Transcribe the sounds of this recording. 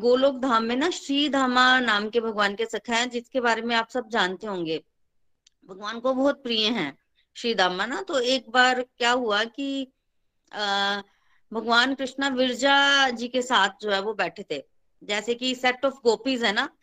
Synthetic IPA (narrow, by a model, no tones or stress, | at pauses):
ɡoːloːk̚d̪ʱaːmːẽnaʃɾiːd̪ʱaːmanaːmkebʱɐɡʋaːnkesɐkʰaɦɛ̃d͡ʒɪskebaːɾemẽaːpsɐb̚d͡ʒaːnt̪eɦõːŋɡeː | bʱɐɡʋaːnkobɔɦʊt̪̚pɾijẽɦɛ̃ː | ʃɾiːd̪ʱaːmanat̪oeːk̚baːɾkjaːɦuaki | bʱɐɡʋaːnkɾɪʃnaʋɪɾd͡ʒad͡ʒiːkesaːt̪̚ʰd͡ʒoːɦɛʋobɛːʈʰet̪ʰeː | d͡ʒɛːsekisɛʈɔːfɡoːpizɦɛ̃na